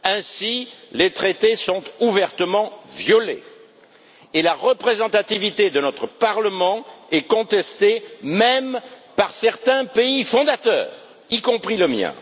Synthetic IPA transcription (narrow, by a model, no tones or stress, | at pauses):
ɛ̃silet̪χet̪esɔ̃t̪uvɛʁt̪əmɑ̃vjɔlḛ | elaʁəpχezɑ̃t̪at̪ivit̪ed̪ənɔt̪χəpaʁləmɑ̃ɛkɔ̃t̪ɛst̪emɛmpaʁsɛʁt̪ɛ̃peifɔ̃d̪at̪œ̰ːʁ | ikɔ̃pχiləmjɛ̰̃